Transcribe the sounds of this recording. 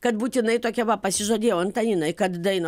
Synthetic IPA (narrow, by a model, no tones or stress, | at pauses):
kɐt̪buːt̪ʲɪnɐɪt̪oːkʲɛʋɐpɐsʲɪʒoːdʲeːjɛɐnt̪ɐjɪnɐɪkɐt̪d̪ɐɪnɐ